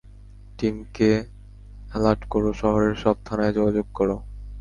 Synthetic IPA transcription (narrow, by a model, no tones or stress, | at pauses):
ʈimke | laʈkoɾoʃɔɦoɾeɾʃɔb̚t̪ʰanaed͡ʑɔɡad͡ʑoɡ̚kɔɾo